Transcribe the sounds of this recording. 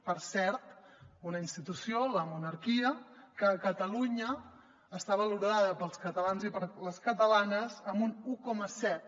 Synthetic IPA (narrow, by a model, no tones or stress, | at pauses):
pəɾsɛɾt̪unəinst̪it̪usioləmunəɾkiəkəːkət̪əluɲəː | st̪aβəluɾaðəpəlˠskət̪əlanzipəɾləskət̪əlanəzəmbunukɔməsɛt̪̚